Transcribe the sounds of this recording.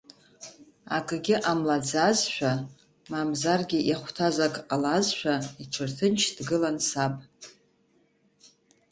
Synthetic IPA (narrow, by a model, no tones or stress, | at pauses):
a̰ɡʼɡʲɪʔamlad͡zazʃʷᶣa | mamzarɡʲɪʔaχʷtʰazakʼalazʃʷᶣaiʈ͡ʂʰɨrtʰɨnt͡ʃʰdɡɨlansapʼ